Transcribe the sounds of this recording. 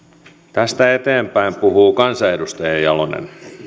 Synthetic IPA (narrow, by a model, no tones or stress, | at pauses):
t̪æst̪æet̪eːmpæimpuhuːkɑnsɑedust̪ɑjɑjɑlonḛn